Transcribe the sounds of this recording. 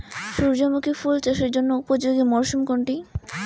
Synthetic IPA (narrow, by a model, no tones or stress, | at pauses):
ʃuɾd͡ʑɔmokifult͡ɕaʃeɾd͡ʑonːoupod͡ʑoɡimɔɾʃumkoɳʈi